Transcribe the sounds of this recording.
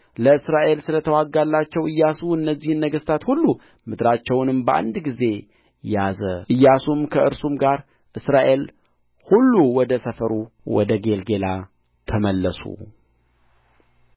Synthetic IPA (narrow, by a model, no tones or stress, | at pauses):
ləɨsɾaʔe̞lsɨlət̪ʰəwaɡːalːat͡ʃːɛwɨjːasuɨnːəzːihɨnːəɡəst̪ʰat̪hulːu | mɨd̪ɾat͡ʃːɛwnɨmbəʔa̰nd̪ɡize̞ | jazə̰ʔɨjːasumkʰəʔɨɾsumɡaɾ | ʔɨsɾaʔe̞l | hulːuwɔd̪əsəfəɾuwɔ̰d̪əɡe̞lɡe̞la | t̪ʰəməlːəsṵ